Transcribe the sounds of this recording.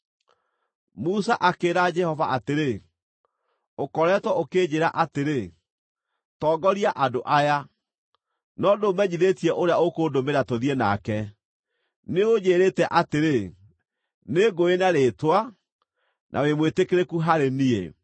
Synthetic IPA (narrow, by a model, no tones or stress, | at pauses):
musaʔakeːɾad͡ʒɛhɔvaʔateɾe | okɔɾɛːtwɛokeːd͡ʑeɾaʔateɾe | tɔːɡɔɾiaʔadoʔaja | nɔdomɛɲiðetiɛʔoɾeaokoːdomeɾatoðiɛna̰kɛ | neoɲeːɾeːtɛʔateɾe | neɡoenaɾeːtwa | nʔa̰wemwetekeɾekuɦaɾeniḛ